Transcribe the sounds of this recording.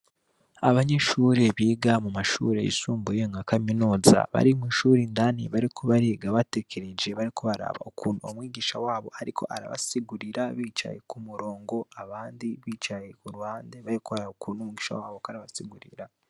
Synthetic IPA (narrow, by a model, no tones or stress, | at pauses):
aβaɲe̞ʃuːɾe̞βiːɡamumaʃṵɾe̞̰ḭsuːmbujeŋɡakaminuːza̰βa̰ɾimwiːʃuːɾindanḭβaɾikʰoβaɾeɡaβate̞kʰeɾed͡ʒe̞βaɾikoβaɾa̰βa̰okʰuːnuo̰mwiːɡiːʃawaːβo̞̰haɾikʰo̞̰ʔaɾa̰βa̰siɡuɾiɾaβiːt͡ʃa̰jḛkumuɾo̞ːŋɡo̞aβaːndiβiːt͡ʃajekuɾuhaːnde̞βaɾikoβaɾaokuːnomiɡiːʃa̰waːβokaɾaβasiɡuɾḭɾa